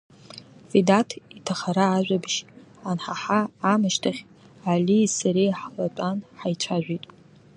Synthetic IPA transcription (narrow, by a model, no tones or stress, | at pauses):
fidatʰitʰaχaɾaːʒʷᶣabʃanħaħaːmɨʃtʰaχʲ | alisaɾejħlat͡pʷʼanħajt͡ʃʷʰaʒᶣʷitʼ